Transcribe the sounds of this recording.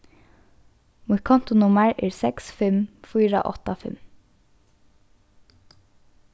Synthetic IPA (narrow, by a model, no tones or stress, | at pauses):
mʊkʰɔnt̪ʊnʊməɹɛːɹsɛksfɪmfiːɹa̰ʔɔt̪afɪ̰m